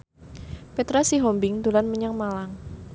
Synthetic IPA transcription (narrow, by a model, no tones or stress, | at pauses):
pɛt̪ɾasiɦɔmbɪŋd̪ulanməɲəŋmalaŋ